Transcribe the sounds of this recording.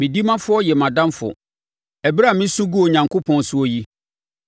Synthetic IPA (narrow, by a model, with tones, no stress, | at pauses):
mɪ̃˨di˦mã˦fʊ˦ɔ˦jɛ˨mã˨dã˦mfʊ̰˨ | ɛ˨bɾa˦˨mɪ̃˦su˦ɡu˦o˨ɲã˨ŋkʰo˦pʰɔ̃˨n˦sʊ˦ɔ˦ji˦